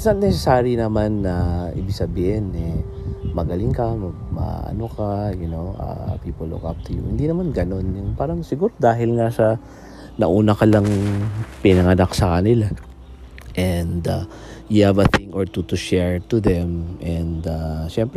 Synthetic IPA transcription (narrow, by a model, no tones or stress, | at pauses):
sɐnɛsɛsaːɾjinɐmanːɐʔḭːbɪɡ̥sɐbiːhɪnːɛ | mɐɡɐlɪŋkɐmɐ | mɐ̰ʔɐ̰nokajʊnoʔa̰piːpolo̰kʔa̰p̚t̪ʊjʊ̰hɪnd̪inɐmanɡɐno̞njʊŋpaːɾɐŋsɪɡuːɾod̪aːɦɪlŋaʃɐ | nɐʔuːnɐkɐlaŋpɪnɐŋɐnaksɐkɐnɪla | ʔɛnd̪a | juhavɐθɪŋoɹt̪ut̪uʃɛɹt̪ud̪ɛmʔɛnd̪aʃɛmpɾɛ